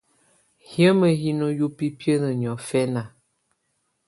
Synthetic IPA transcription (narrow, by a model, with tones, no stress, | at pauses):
hjə˦mə˨hi˦no˦ju˦pi˦pjə˦nə˨ɲ˨ɔ˨fɛ˦na˨